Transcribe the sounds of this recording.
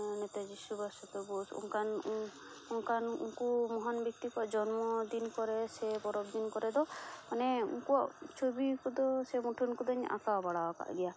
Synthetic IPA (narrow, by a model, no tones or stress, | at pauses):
nɛt̪ed͡ʒisubasɔt̪ɔbɔsṵŋkan | uŋkanṵŋkumɔɦɔnbik̚t̪ikuaʔd͡ʒɔnmɔd̪inkɔɾɛsɛbɔɾɔbd̪inkɔɾɛd̪ɔmanɛṵŋkuaʔt͡ʃʰobikud̪ɔsɛmuʈʰunkud̪ɔɲa̰kabaɽaaka̰ʔɡɛja